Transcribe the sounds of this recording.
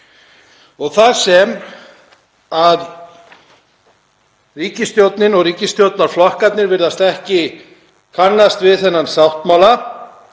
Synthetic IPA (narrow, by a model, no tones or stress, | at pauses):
ɔɣθaɾsɛm | að | riːcɪst̪jowt̪nɪnɔɣriːcɪst̪jowt̪naɾ̥flɔhkat̪nɪɾvɪɾðast̪ɛhcɪ | kʰanːast̪vɪðθɛnːansawht̪mawla